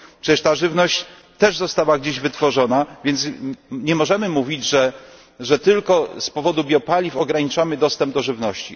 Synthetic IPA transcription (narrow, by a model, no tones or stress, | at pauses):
pʂɛt͡ɕɛʂt̪aʐɘvnɔɕt͡ɕ | t̪ɛʐzɔst̪awaɡd͡ʑeʑvɘt̪fɔʐɔnavʲjɛnt̪sɲɛmɔʐɛmɘmuvʲid͡ʑʐɛ | ʐɛt̪ɘlkɔspɔvɔd̪ubʲjɔpalʲifɔɡɾaɲit͡ʂamɘd̪ɔst̪ɛmb̚d̪ɔʐɘvnɔɕt͡ɕi